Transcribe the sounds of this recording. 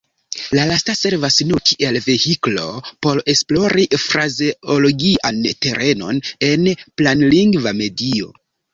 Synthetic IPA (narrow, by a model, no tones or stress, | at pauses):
lalastase̞ɾvasnukʰiʔe̞lve̞hiklo̞po̞ɾe̞splo̞ɾifɾazeolo̞ɡiʔante̞ɾʔe̞no̞̰ne̞nplanliŋɡvame̞dio̞̰